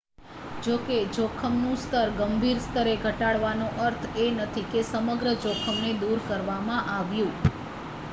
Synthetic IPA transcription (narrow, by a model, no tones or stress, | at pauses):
d͡ʒoked͡ʒokʰəmnũst̪ʰəɾɡəmbʱiɾst̪əɾeɡʱəʈaɽʋanoʔəɾt̪ʰenət̪ʰikesəməɡɾəd͡ʒokʰəmned̪uɾkəɾʋamãʔaʋjũ